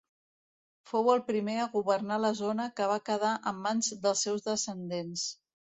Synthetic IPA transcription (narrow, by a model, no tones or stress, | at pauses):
fowəlˠpɾimeəɣuβərnaləzonəkəβ̞akəð̞aʔəmːanzd̪əlˠsːɛwzðəsənd̪ens